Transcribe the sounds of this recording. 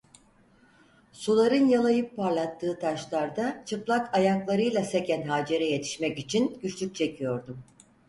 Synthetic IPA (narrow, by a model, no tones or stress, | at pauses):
sulˠaɾɯnjalˠajɯpʰːaɾlˠat̪ʰːɯːt̪ʰaʃlˠaɾd̪at͡ʃʰɯplˠakajaŋklˠaɾɯjlˠase̞cʰænɦaːd͡ʒe̞ɾɛje̞t̪ʰi̥ʃmɛcit͡ʃʰinɟyt͡ʃlʲyk̚t͡ʃʰe̞cʰijo̞ɾd̪um